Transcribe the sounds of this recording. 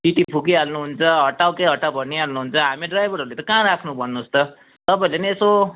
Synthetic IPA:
siʈipʰukiɦalnuɦunt͡sʰʌɦʌʈawkeɦʌʈːawbʱʌnːiɦalnuɦunt͡sʰʌɦamiɖrajbʱʌɾʌɾulet̪ʌkãɾakʰnubʱʌnːuːst̪ʌ | t̪ʌpaĩlenieso

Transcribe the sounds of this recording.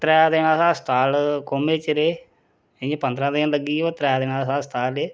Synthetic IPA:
t̪ɾɛːad̪eːnãːsãːst̪aːlkoːmeːt͡ʃəɾeː | ɪẽːpənd̪ɾãːd̪enləɡiːoːt̪ɾɛːd̪eːnãːsãːst̪aːleː

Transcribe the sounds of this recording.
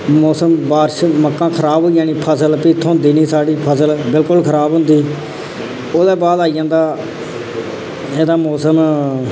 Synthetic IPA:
mɔːsəmbaːɾʃməkːãːkʰəɾaːboːijaːnĩːpʰəsəlpiːt̪ʰːõːd̪iːniːsaːɽiːpʰəsəlbɪlkʊlkʰəɾaːbɦʊ̃nd̪iː | oːd̪ɛːbaːd̪aːijãːnd̪aː | eːd̪aːmɔːsəm

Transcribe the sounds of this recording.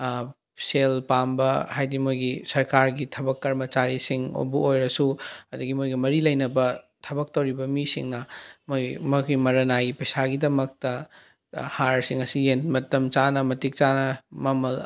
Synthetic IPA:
selpambɐhajdimojɡisɐɾkaɾɡitʰɐbɐkːɐɾmɐt͡ʃaɾisiŋo̰buojɾɐsuɐduɡimojɡimɐɾilɐjnɐbɐ | tʰɐbɐk̚tɐwɾibɐmisḭŋnɐmojmokimɐɾɐnaɡipɐjsaɡidɐmɐk̚tɐ | haɾsiŋɐsijenmɐtɐmt͡ʃanɐmɐtik̚t͡ʃanɐmɐmɐl

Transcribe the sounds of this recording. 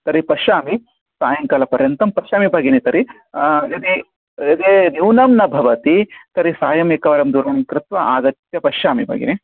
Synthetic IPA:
t̪ɐɾipɐʃaːmi | saːjɐŋkaːlɐpɐɾjɐnt̪ɐmpɐʃaːmibʱɐɡinit̪ɐɾi | ɐt̪i | ɐd̪enjuwnɐmnɐbʱɐʋɐt̪it̪ɐɾisaːjɐmeːkɐʋɐɾɐmd̪uːɾɐʋɐɳ̃ikɾɪt̪ʋɐʔaːɡɐt̪jɐpɐʃaːmibʱɐ̰ɡḭni

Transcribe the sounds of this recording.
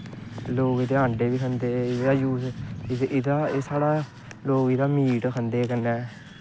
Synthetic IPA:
loːɡid̪eːə̃ːɳɖeːbiːkʰənd̪eːaːjuː | ɪd̪aːesaːɽaː | loːɡid̪aːmiːʈkʰənd̪eːkənɛː

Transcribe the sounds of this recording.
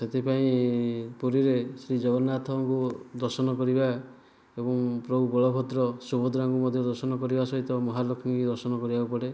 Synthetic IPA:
set̪ʰepaĩpuɾiɾesɾid͡ʒɔɡɔɾnat̪ʰɔŋkud̪ɔɾsɔnɔkɔɾiba | ebɔŋpɾɔbubɔɭɔkʰɔt̪ɾɔsubɔd̪ɾaŋkumɔd̪ʱjɔd̪ɔɾsɔnɔkɔɾibasɔɦit̪ɔmɔɦalokʰɔŋkid̪ɔɾsɔnɔkɔɾibaupɔɽe

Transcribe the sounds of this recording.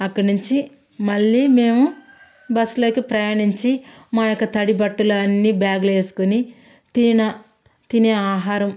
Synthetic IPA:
ɐkːɐɽnuɲt͡ʃi | mɐɭːiːme̞ːmu | bɐslo̞ːkipɾɐjaːɳiɲt͡ʃi | maːjokːɐt̪ɐɽibɐʈːulɐnːiːbaːɡleːsu̥kuni | t̪inɐ | t̪iniaːɦaːɾɐm

